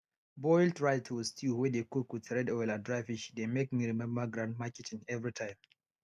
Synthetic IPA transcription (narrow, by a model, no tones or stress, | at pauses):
bɔɪltɹaɪtʰuwstʰiwɛdekukwitɹɛdɔjladɹajviʃdemekmiɹimɛ̃mbəɡɾãnd̚makɛtĩŋɛvɹitʰãɪ̃m